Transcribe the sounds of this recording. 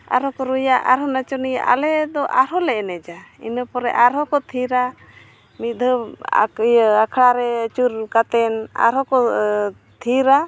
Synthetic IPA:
a̰ɾɔkɔɾujaʔaɾɔnat͡ʃɔnijʔa̰lɛd̪ɔʔaɾɔlɛʔnɛd͡ʒaḭnəpɔɾɛ̰ʔaɾɔkɔt̪ʰiɾa | mit̪̚d̪ʱəa̰kjakʰɽaɾɛət͡ʃuɾkat̪ɛna̰ɾɔkɔ | t̪ʰiɾa

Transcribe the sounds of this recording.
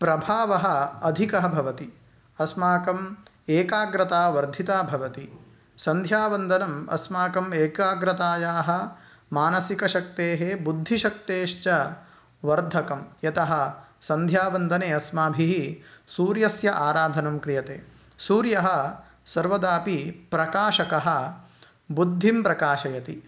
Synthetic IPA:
pɾɐbʱaːʋɐɦɐ̆ɐd̪ʱikɐɦɐbʱɐʋɐt̪i | ɐsmaːkɐm | eːkaːɡɾɐt̪aːʋɐɾd̪ʱit̪aːbʱɐʋɐt̪i | sɐnd̪ʱjaːʋɐnd̪ʱɐnɐmɐ̰smaːkɐmeːkaːɡɾɐt̪aːjaːɦɐ̆ | maːnɐsikɐʃɐk̚t̪eːɦebud̪ʱːiʃɐk̚t̪eːʃt͡ʃɐ | ʋɐɾd̪ʱɐkɐmjɐt̪ɐɦɐsɐnd̪ʱjaːʋɐnd̪ʱɐneːɐsmaːbʱiɦisuːɾjɐsjɐʔaːɾaːd̪ʱɐnɐmkɾijɐt̪eː | suːɾjɐɦɐ | sɐɾʋɐd̪aːpipɾɐkaːʃɐkɐɦɐ̆ | bud̪ʱːimpɾɐkaːʃɐjɐt̪i

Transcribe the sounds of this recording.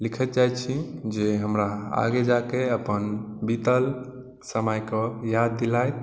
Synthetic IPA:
likʰət̪̚d͡ʒajt͡ʃʰid͡ʒeɦəmɾaa̰ɡed͡ʒakeəpənbit̪əl | səməjkəjad̪ːilajt̪̚

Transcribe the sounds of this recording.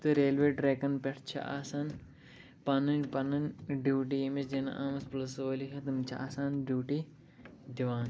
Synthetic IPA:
t̪ɨɾeːlʋeːʈɾekɐnpʲeʈʰt͡ʃʰɐ̰ʔaːsaːn | pɐnɐnʲpɐnɐnɖjuːʈijemisd͡ʒenɐ̰ʔaːmɐsplɐsʋɐlikɐt̪ɨmt͡ʃʰɐa̰ːsaːnɖjuːʈi | d̪iʋaːn

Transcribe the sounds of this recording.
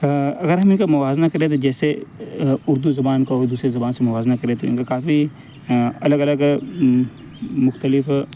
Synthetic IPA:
ɐɡəɾɦɐmɪnkamʊʋaːznakɐɾẽt̪̬od͡ʒɛːse | ʊɾd̪uzɐbaːnkaoːɾd̪uːsɾezɐbaːnsemɐʋaːznakɐɾẽt̪ʰoɪ̰nkakaːfi | ɐləɡɐləɡ | mʊxt̪əlɪf

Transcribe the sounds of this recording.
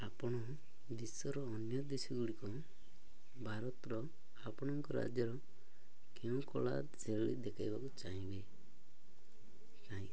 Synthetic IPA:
apɔɽ̃ɔ | d̪isɔɾɔːnjɔd̪esɔɡuɽikɔ | bʱaɾɔt̪ɾɔ | apɔɽ̃ɔŋkɔɾa̰d͡ʒjɔɾɔ | keũkɔɭa̰ | seɭid̪ekʰajbakut͡ʃaɦĩbe | taĩ

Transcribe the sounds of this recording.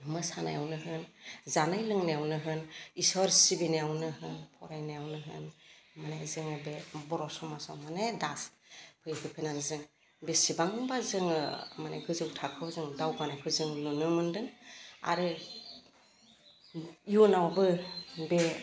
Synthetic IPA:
mɯsana̰jawnɯɦɯnzanajlɯŋnajawnɯɦɯnisɔɾsibinejawnɯɦɯnpʰɔɾajnajawnɯɦɯ̰n | manajzɯŋɯbebɔɾɔsɔmasawmanedas | pʰɯjkʰɯpʰɯnanzɯŋ | besibaŋbazɯŋɯmana̰ɡɯzɯwtʰakʰɯwzɯŋdawɡanajkʰɯzɯŋnɯnɯmɯndɯŋa̰ɾɯ | junawbɯbe

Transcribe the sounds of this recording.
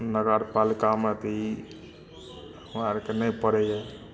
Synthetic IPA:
nəɡaɾpalikamət̪əi | maɾkenəjpəɾɛja

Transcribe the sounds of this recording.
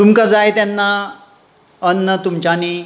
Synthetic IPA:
t̪umkad͡zajet̪janːa | ənːət̪umt͡ɕani

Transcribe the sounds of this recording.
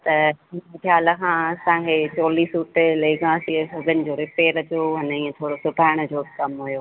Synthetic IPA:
t̪ɐɦɪnt̪ʰjaːləkʰãːɐsãːkʰet͡ɕɔːliːsuːʈleːɡãːsisɐɡənɪ̆d͡ʑoːɾɪpeːɾɐd͡ʑoɦɐnəiːẽt̪ʰoːɽosʊbʱaːɪɽ̃ʊd͡ʑoːkɐmɦujoː

